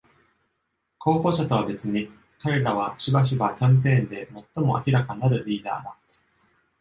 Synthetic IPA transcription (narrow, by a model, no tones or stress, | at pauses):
kʰo̞ːko̞ːɕat̪o̞β̞abe̞t͡sɨɲ̟i | kaɾe̞ɾaβ̞aɕibaɕ̬ibakʲãmp̬ẽ̞ːnd̪e̞mo̞t̪ːo̞mo̞ʔa̰kʲiɾakaɲinaɾɯ̟ɾʲiːd̪a̰ːd̪a